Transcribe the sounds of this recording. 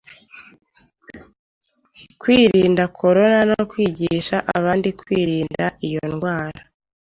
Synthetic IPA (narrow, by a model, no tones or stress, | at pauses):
kwiːɾiːndakʰo̞ɾo̞nanokwiːɟiʃaʔaβaːndikwiːɾiːndaʔijonɡwaːɾa